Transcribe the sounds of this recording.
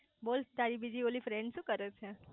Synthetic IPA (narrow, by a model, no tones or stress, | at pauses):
bolt̪aɾibid͡ʒiolifɾeɳɖʃũːkəɾet͡ʃʰe